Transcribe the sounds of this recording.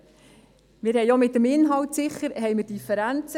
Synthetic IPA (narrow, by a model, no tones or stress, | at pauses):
mɪːɾhɛɪomɪtːəmɪnɦɑwtsɪχəɾɦɛjmɪɾd̥ifəɾænt͡sə